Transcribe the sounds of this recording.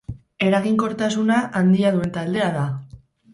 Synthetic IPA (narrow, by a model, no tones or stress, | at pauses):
e̞ɾaɣiŋko̞ɾt̪as̬unaʔand̪iaðue̞nt̪ald̪e̞aða